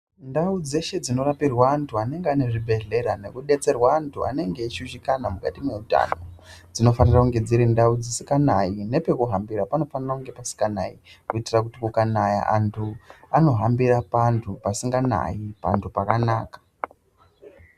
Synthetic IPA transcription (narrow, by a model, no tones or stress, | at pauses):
ndaud͡ze̞ʃe̞d͡zino̞rapirwaːntʰuane̞ŋɡeane̞ʐibʱe̞ɮe̞ɾane̞kuɗe̞t͡se̞rwaːntʰua̰ne̞ŋɡe̞iʃuʃikanamukatimwe̞uta̰no̞d͡zino̞fanirakuŋɡe̞d͡ziɾindaud͡zisikanaine̞pe̞kuɦambirapano̞fanirakuŋɡe̞pasi̥kana̰ikuitirak̬utikukanaja̰ʔantʰuano̞ɦambirapantʰupasiŋɡana̰ipa̰ntʰupakanaːkḁ